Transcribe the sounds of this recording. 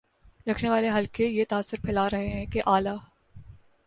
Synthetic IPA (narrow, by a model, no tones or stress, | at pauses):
ɾɐkʰneʋaːleɦɐlkejet̪aːsːʊɾpʰɛːlaːɾɐɦeɦɛ̃keʔaːlaː